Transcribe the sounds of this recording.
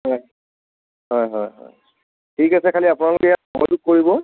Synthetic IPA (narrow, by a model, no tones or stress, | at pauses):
ɦɔj | ɦɔjɦɔjɦɔ̰j | tʰikasɛkʰaliapunalʊkɛjabɔɔ̰duk̚koɹibɔ